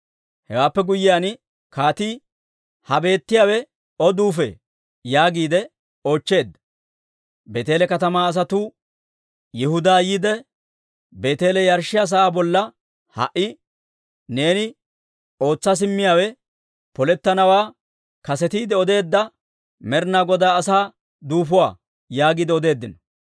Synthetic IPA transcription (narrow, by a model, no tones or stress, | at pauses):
hɛwaːpːɛɡʊjːɪjaːn | kaːt̪iː | hɐbe̞ːt̪ːɪjaːwɛ | ɔd̪uːfḛː | jaːɡiːd̪ɛ | o̞ːt͡ʃːe̞ːd̪ːɐ | be̞ːt̪e̞ːlɛkɐt̪ɐmaːs̬ɐt̪u | jɪhʊd̪aːjiːd̪ɛ | be̞ːt̪e̞ːlɛjɐɾʃɪjas̬ɐaːbɔlːɐ | hɐ̰ʔɪ | neːnɪ | o̞ːt͡sːɐs̬ɪmːɪjaːwɛ | pɔlɛt̪ːɐnɐwaː | kɐsɛt̪iːd̪ɛɔd̪e̞ːd̪ːɐ | mɛɾnaːɡɔd̪aːsaː | d̪uːfʊwa̰ː | jaːɡiːd̪ɛɔd̪e̞ːd̪ːɪnɐ